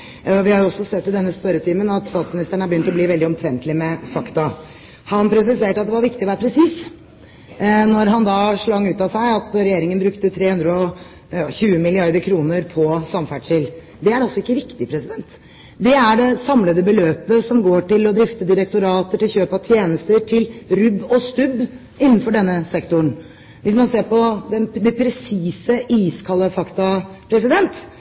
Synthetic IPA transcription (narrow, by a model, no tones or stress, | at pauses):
ʋɪhɑɾjʊɔsːɔsɛt̪ːɪd̪ɛnːəspœɾət̪ʰiːmənɑt̪st̪ɑːt̪smɪnɪst̪əɳəæbjʏnt̪ɔbliːʋɛlɪɔmt̪ʰɾɛnt̪lɪmɛfɑkt̪ɑ | hɑnpʰɾɛs̬ɪseːʈəɑt̪̚d̪ɛʋɑɾʋɪkt̪ɪɔʋæːɾpʰɾɛsiːs | nɔɾɦɑnd̪ɑʂɭɑŋːʉːt̪ɑsæɪɑt̪ɾɛjeːɾɪŋənbɾʉkt̪ət̪ʰɾeːhʉnd̪ɾəɔ | çʉːəmɪlɪɑɾd̪əɾkʰɾuːnəɾpʰɔsɑmfæɖʂɪl | d̪ɛæɾɑlsɔɪkːəʋɪkt̪ɪpʰɾɛsɪd̪ɛnt̪ | d̪ɛæɖɛsɑmləd̪əbəløːpəsɔmɡoːʈɪlɔd̪ɾɪft̪əd̪ɪɾɛkt̪ʊɾɑːt̪əʈɪlçøːpɑt̪ʰjeːnəst̪əʈʰɪlɾʉbːɔst̪ʉbː | ɪnːnfɔɖɛnːəsɛkt̪ʊɳ | ʋɪsmɑnseːɾpɔd̪ɛnd̪ɛpʰɾɛsiːsəʔiːskʰɑlːəfɑkt̪ɑpʰɾɛs̬ɪd̪ɛnt̪